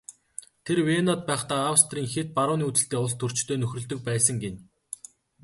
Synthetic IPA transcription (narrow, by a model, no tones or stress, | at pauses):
t̪ʰerwenɔt̪̚pæːχt̪aːawst̪riːŋxet̪̚paɾʊːniːut͡sɘ̆ɬt̪eːʊɮt̪ʰːɵr̥t͡ɕt̪ʰoːnɵxʲrɵ̆ɮt̪ɵ̆k̚pæːsə̆ŋɡen